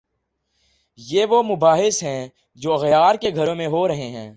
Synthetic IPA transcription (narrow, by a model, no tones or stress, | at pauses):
jeːʋomʊbaːɦɪsɦɛ̃ | d͡ʒoːɐɣjaːɾkeɡʱəɾõːmẽɦoɾɐɦeɦɛ̰̃ː